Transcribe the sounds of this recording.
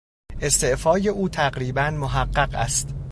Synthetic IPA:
ʔe̞st̪e̞ʔfɒːje̞ʔuːt̪ʰæɢɾiːbænmoɦæɢːæɢæ̰st̪

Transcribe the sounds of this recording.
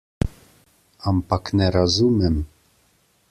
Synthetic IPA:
ɑmpɑknɛɾɑzumɛm

